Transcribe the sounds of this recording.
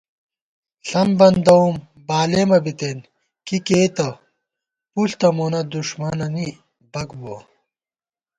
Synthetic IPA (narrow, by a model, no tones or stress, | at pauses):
ɬɐmbɐnd̪ɐum | baːleːmɐbit̪eːn | kikeːt̪ɐ | puɬt̪ɐmoːnɐd̪uʂmɐnɐni | bɐkbuwɐ̰